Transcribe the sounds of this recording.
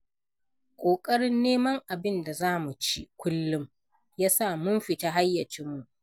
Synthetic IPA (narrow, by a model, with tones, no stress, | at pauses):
kʷʼoː˨kʼɐ˦ɽɪ˦nːeː˦mɐ˦ŋʔa˨bɪ˦nda˨zaː˦mu˨t͡ʃi˦kʷʰʊ˦lːʊ˦m | jaː˦sa˦˨mʊ˦mɸɪ˨taː˦ɦa˦jːɐ˨t͡ʃɪ˦mːu˦ʔ